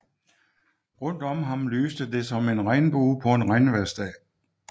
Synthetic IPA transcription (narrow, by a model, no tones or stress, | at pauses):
ʁɔ̽n̰d̥ɒ̽mɦɑ̈mlyːsd̥əd̥e̝sɒ̽me̝nʁɑ̈ɪnb̥oːpʰɒ̽e̝nʁɑ̈ɪnʋæɐsd̥ɛ̰ː